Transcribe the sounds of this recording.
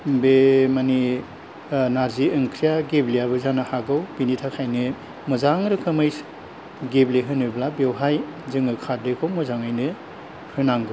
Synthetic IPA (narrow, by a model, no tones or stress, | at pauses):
bemani | naɾziɯŋkʰɾijaɡeblijaβɯzanɯhaɡɯwbinitʰakʰajnɯ | mɔzaŋɾɯkʰɯmɯjs | ɡebleɦɯnɯblabewɦajzɯŋɯkʰatɾekʰowmɔzaŋajnɯ | hɯnaŋɡɯw